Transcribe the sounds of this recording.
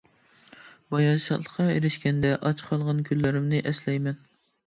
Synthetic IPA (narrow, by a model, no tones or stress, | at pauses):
bɑjɑʃɑlˠəqʰːɑḛɾɪʃkʲɛnd̪ɛʔɑt͡ʃʰqʰɑlˠʁɑnkʲʰylːɪɾɪmnɪʔɛslɛjmɛn